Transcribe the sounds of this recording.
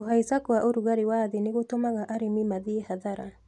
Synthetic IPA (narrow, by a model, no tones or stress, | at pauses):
oɦaisakwaʔoɾuɣaɾiwaðeneɣotomaɣaʔaɾemimaðiehaðaɾa